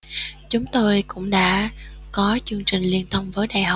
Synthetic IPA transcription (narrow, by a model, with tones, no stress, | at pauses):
t͡ɕʊ˨˦ŋ͡mt̪o˧jkʊ̰˧˥ŋ͡mɗa̰ː˧˥kɔ˨˦t͡ɕɨ˧əŋt͡ɕï˨˩ŋ̟li˧ənt̪ʰə˧wŋ͡mvəː˨˦jɗa̰ː˧˨˩jhə˨˩wk͡p̚